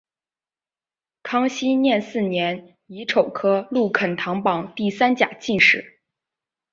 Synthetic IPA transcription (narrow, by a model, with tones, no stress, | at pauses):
kʰɑ˥ŋɕi˥njɛ˥˧nsɹ̩˥˩njɛ˧˥n | i˧˥ʈ͡ʂʰo˨˩ʊkʰɤ˥lu˥˩kʰə˨˩nt̪ʰɑ˧˥ŋpɑ˨˩ŋt̪i˥˩sa˥nt͡ɕja̰˨˩t͡ɕi˥˧nʂɻ̩˥˩˦